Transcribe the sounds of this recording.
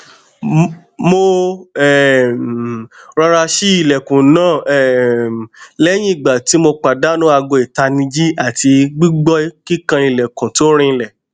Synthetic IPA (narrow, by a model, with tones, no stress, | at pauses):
mo˧ɛ˨ | ɾa˧ɾa˧ʃi˦i˨lɛ˨kũ˨nãː˦˨ɛ˨ | lɛ˦j̃ĩ˦i˦˨ɡ͡ba˨ti˨˦mo˧k͡pa˨da˨˦nũ˦a˧ɡo˧i˨ta˧nĩ˧d͡ʒi˦a˦˨ti˧ɡ͡bi˦ɡ͡bɔ˦i˦ki˦kã˧i˧˨lɛ˨kũ˨to˦ɾ̃ĩ˧ñ̩˧lɛ˨